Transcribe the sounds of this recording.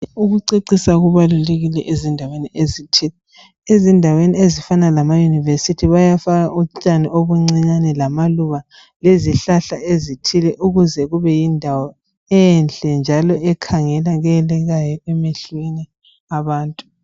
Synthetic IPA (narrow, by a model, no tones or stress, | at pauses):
uɣuǀiǀisaɣuβaluleɣilɛʔezindʱaweniʔezitʰilɛ | ezindʱaweniezifanalamajunivesitʰiβajafaɣaʔut͡ʃʼanioβuŋ͡ǀiɲanɛlamaluɣa | leziɬaɬaezitʰilɛʔuɣuzɛɣuβɛjindʱawɔ | ɛnɬʼɛnd͡ʒʱalɔʔɛkʰaŋɛlaɣɛlɛɣajɔɛmeɬwini | aβaːntʼu̥